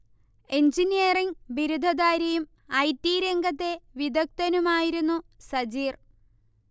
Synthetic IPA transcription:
eɲd͡ʑinijɐriŋbiɾud̪ʱɐd̪aːɾɐjum | ɐjtːiɾe̞ŋɡʱɐt̪ːe̞ʋid̪ʱɐk̚t̪ɐnumaːjiɾunːusɐd͡ʑiːr

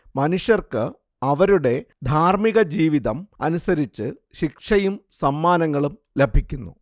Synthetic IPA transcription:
mɐnuʂjɐrkɨ | ɐʋɐɾuɽe̞d̪ʱaːrmiɣɐd͡ʑiːʋiðɐmɐnusɐɾit͡ɕːɨɕikʂɐjumsɐmːaːnɐŋːɐɭum | le̞bʱikʲːunːṵ

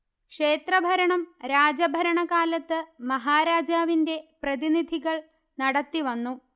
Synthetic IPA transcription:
kʂe̞ːt̪rɐbʱɐɾɐɳɐmɾaːd͡ʑɐbʱɐɾɐɳɐɣaːlɐt̪ːɨmɐɦaːɾaːd͡ʑaːʋinde̞prɐðinid̪ʱiɣɐɭ | nɐɽɐt̪ːiʋɐnːu

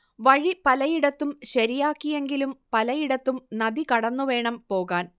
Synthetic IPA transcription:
ʋɐɻipɐlɐjiɽɐt̪ːumɕɐɾijaːkːije̞ŋɡilumpɐlɐjiɽɐt̪ːumnɐd̪ikɐɽɐnːuʋe̞ːɳɐmpo̞ːɣaːn

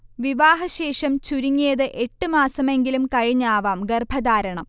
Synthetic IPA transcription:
ʋiʋaːɦɐɕe̞ːʂɐmt͡ɕuɾiŋːijɐðɨʔe̞ʈːɨmaːsɐme̞ŋɡilumkɐɻiɲːaːʋaːmɡerbʱɐðaːɾɐɳɐm

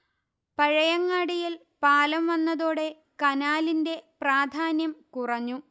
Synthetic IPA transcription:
pɐɻɐjɐŋːaːɽijil | paːlɐmʋɐnːɐðoːɽe̞ | kɐnaːlinde̞praːd̪ʱaːnjɐmkurɐɲːu

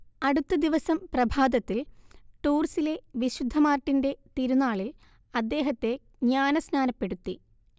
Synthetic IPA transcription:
ɐɽut̪ːɐd̪iʋɐsɐmprɐbʱaːd̪ɐt̪ːilʈuːrsile̞ʋiɕud̪ʱːɐmaːrʈːinde̞t̪iɾunːaːɭil | ɐd̪ːe̞ːɦɐt̪ːe̞ | ɲaːnɐsnaːnɐpːe̞ɽut̪ːi

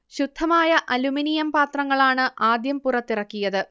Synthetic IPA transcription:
ɕud̪ʱːɐmaːjɐʔɐluminijɐmpaːt̪rɐŋːɐɭaːɳɨʔaːd̪jɐmpurɐt̪ːirɐkːijɐðɨ

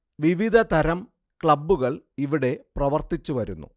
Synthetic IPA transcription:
ʋiʋid̪ʱɐt̪ɐɾɐm | kɭɐbːuɣɐɭiʋiɽe̞prɐʋɐrt̪it͡ɕːuʋɐɾunːṵ

